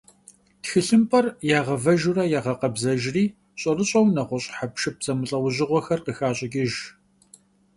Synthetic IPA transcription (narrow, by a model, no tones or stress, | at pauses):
txɨɬɨmpʰʼɐrjaːʁɐvɐʒurɐjaːʁɐqɐbzɐʒriː | ɕʼɐrɨɕʼɐwnɐʁʷɔɕʼħapʃɨp̚zɐmɨɬʼɐwʊʑɪʁʷɔxɐrqəxaːɕʼɪkʲʼɪʒ